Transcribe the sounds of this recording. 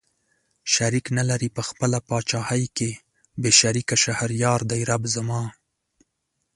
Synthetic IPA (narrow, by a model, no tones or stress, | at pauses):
ʃaɾiknalaɾipəxpəlapɑt͡ʃɑhajke | beʃaɾikaʃahaɾjɑɾd̪ajɾabzamɑ